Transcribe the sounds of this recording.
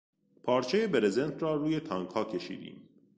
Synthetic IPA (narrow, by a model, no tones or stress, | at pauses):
pʰɒːɾt͡ʃʰejebeɾezent̪ʰɾɒːɾuːje̞t̪ʰɒːŋkʰhɒːcʰe̞ʃḭːd̪ḭːm